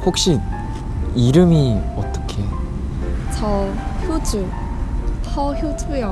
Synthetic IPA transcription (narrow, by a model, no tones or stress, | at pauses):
hok̚ɕ͈i | iɾɯmiʌt͈ʌ̥kʰe̞ | t͡ɕʌçjod͡ʑu | sʰʌçjotʰujʌ